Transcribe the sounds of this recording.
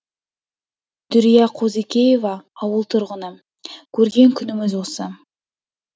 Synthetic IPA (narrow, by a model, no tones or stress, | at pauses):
d̪̥ʏɾijɑqʰozikʲeje̞vɑːwəlˠt̪ʰʊɾʁənə | kʲʰɵɾɡʲe̞ŋkʲʰʏnɪmɪzwo̞sə